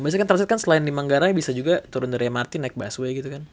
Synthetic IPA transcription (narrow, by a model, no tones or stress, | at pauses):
bias̬kant̪əɾsat̪̚kansəlaɪndimaŋɡaɾabisad͡ʒuɡat̪uɾʊndaɾamart̪inaɪk̚basuaɡit̪ukan